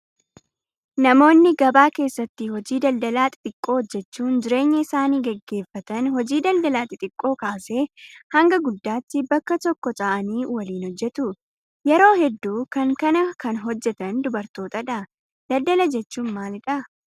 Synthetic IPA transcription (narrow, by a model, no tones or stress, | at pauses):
nɐmo̞ːnːɪɡɐbaːke̞ːsːɐt̪ːɪhɔd͡ʒiːd̪ɐld̪ɐlaːt̪ʼɪ̥t̪ʼɪkʼːo̞ːd͡ʒːɛt͡ʃːuːnd͡ʒɪɾe̞ːɲːɐɪsaːniːɡɛɡːe̞ːfːɐt̪ɐnɦɔd͡ʒiːd̪ɐld̪ɐlaːt̪ɪt̪ʼɪkʼːo̞ːkaːse̞ːhɐŋɡɐɡʊd̪ːaːt̪ːɪbɐkːɐt̪ɔkːɔt̪ʼaʔɐniːwɐliːnhɔd͡ʒːɛt̪ʊ | jɛɾo̞ːhɛd̪ːuːkɐŋkɐnɐkɐnɦɔd͡ʒːɛt̪ɐnd̪ʊbɐɾt̪o̞ːt̪ɐᶑɐ | d̪̥ɐld̪ɐlɐd͡ʒɛt͡ʃːuːnmaːlɪᶑɐ